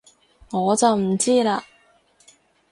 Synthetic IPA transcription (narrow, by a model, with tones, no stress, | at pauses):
ŋɔː˨˧t͡sɐ˨wm̩˨˩t͡siː˥laː˧